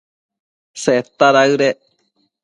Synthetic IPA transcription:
seet̪aɾaɨɾe

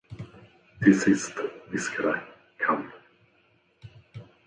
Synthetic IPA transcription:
t̪ʰɪsɪst̪vɪskəɾa | kʰamp

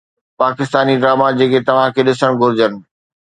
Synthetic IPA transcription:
paːkɪst̪aːniɖɾaːmad͡ʑeːkʰet̪ɐʋ̤ãkʰeɗɪsəɽ̃ɡʱʊɾɪd͡ʑənɪ̆

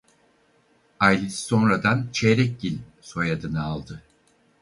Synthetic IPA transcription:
ajlʲisso̞nɾad̪ant͡ʃʰeɾɛc̚ɟilʲso̞jad̪ɯnɯalˠd̪ɯ

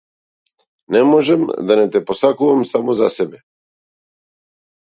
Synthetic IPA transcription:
nɛmɔʒɛmd̪anɛt̪ɛpɔsakuvamsamɔzasɛbɛ

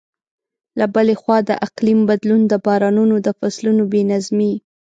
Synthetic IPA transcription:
labəlexwɑd̪ə̰ʔaqlimbad̪lund̪əbɑɾɑnunod̪əfaslunobenazmi

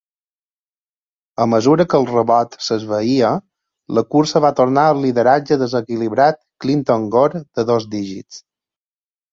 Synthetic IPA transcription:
əməzuɾəkəlˠrəβɔt̪səzβəiə | ləkuɾsəβat̪oɾnaəlˠːiðəɾad͡ʒəðəzəkiliβɾat̪̚klint̪oŋɡoɾd̪̥əðozd̪iʒḭt͡s

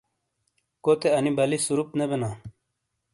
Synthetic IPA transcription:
kot̪eɐnibɐlisuɾup̚t̪nebena

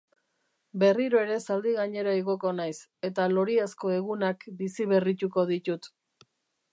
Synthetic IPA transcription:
be̞riɾoe̞ɾe̞sald̪iɣaɲe̞ɾaiɣo̞ko̞najse̞t̪alo̞ɾiasko̞e̞ɣunakbisiβe̞rit̪uko̞ðit̪ut̪

